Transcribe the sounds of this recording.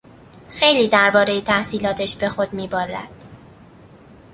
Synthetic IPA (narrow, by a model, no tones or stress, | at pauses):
xe̞jliːd̪æɾbɒːɾe̞jet̪ʰæhsiːlɒːt̪ʰeʃbe̞xo̞d̪miːbɒːlæ̰d̪̥